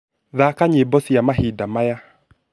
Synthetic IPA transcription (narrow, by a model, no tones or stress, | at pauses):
ðakaɲebɔsijamaɦidamaja